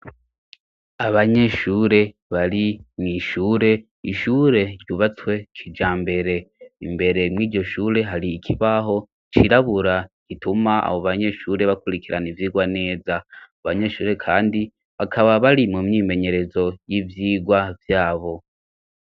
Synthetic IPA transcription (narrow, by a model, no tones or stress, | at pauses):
aβaɲe̞ʃuːɾe̞ | βaɾimŋiːʃuːɾe̞ | iʃuːɾe̞ɾjuβat͡swe̞kʰid͡ʒaːmbe̞ɾe̞ḭmbe̞ɾe̞mŋiːɟo̞ʃuːɾe̞ɦaɾiːkʰiβaɦo̞ | t͡ʃiɾaβuɾaɡ̥itumaa̰βoβaɲe̞ʃuːɾe̞βakuɾikiɾanivjiːɡwane̞ːzaaβaɲe̞ʃuːɾe̞kʰaːndi | βakʰaβaβaɾimumɲiːme̞ɲe̞ɾe̞zo̞jivjiːɡwavjaːβo̞